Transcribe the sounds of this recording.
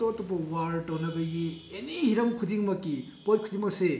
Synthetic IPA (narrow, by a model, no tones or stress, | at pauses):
tɔtɔpɐwaɾʈɐwnɐbɐɡienihiɾɐmkʰudiŋmɐkːipot̚kʰudiŋmɐkse